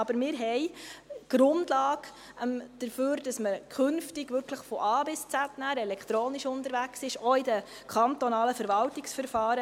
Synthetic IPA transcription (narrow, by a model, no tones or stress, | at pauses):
ɑbəɾmɪːɾɦɛjɡ̥ɾʊndlɑːɡ | md̥əɾføːɾd̥ɑsməkʰχɵnftiɡʋʏɾkʰləχfɔʔɑːbɪst͡sætnæːɾɛlɛkχt̪ɾoːniʃʊntəɾʋæksɪʃoidəkʰɑntɔnɑːləfəɾʋɑltɪksfəɾfɑːɾə